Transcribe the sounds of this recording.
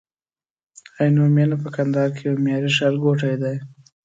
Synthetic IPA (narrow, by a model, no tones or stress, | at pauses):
ajnomjanapəkand̪ɑɾkʰejawmjɑɾiʃaɾɡoʈajd̪aj